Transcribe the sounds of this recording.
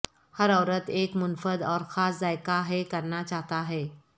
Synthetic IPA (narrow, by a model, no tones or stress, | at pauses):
həɾɔʋɾət̪ekmunfəd̪ɔɾxʰasd͡zajkaɦekəɾnat͡ɕaɦt̪aːɦe